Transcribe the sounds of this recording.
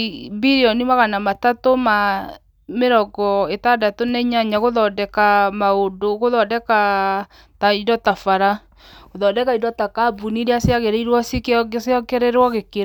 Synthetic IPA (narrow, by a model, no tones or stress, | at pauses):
biɾeɔnimaɣanamatatoma | meɾɔɡɔetadatonɛɲaɲaɣoðɔdɛkamaodoɣoðɔdɛka | taidɔtafaɾa | ɣoðɔdɛkaidɔtakabuniɾeaseaɣeɾeiɾwɔsekseɔkɛɾeɾwɔɣeke